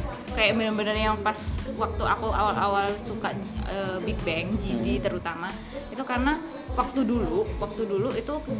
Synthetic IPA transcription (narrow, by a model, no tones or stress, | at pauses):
kajaʔbənərbənərjaŋpaswak̚t̪uʔakuʔa̰wala̰walsukaəbik̚bɛŋd͡ʒidit̪əɾut̪ama | it̪ukarəna | wak̚t̪uduluwak̚t̪uduluit̪u